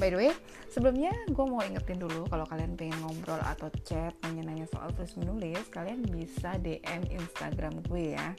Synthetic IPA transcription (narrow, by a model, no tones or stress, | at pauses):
bajdəwe | səbəlumɲaɡuamawiŋət̪ɪndulukalawkalianpɛŋɛnŋɔmbɾɔla̰t̪awt͡ʃɛt̪̚məɲənaɲaso̰ʔa̰lt̪ɾʊsmənulɪskalianbisadeʔɛmḭnst̪a̰ɡɾamɡuɛja̰